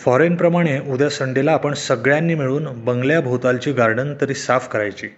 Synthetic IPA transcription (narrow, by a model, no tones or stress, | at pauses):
fɔɾenpɾəmaɽ̃eud̪jasəɳɖelaːpəɳsəɡɭjanːiːmiɭuːnbəŋɡljabʱot̪alt͡ɕiːɡaɾɖənt̪əɾiːsafkəɾajt͡ɕiː